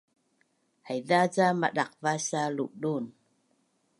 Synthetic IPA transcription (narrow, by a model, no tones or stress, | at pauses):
hajðat͡samaɗak̚vasalṵʔɗun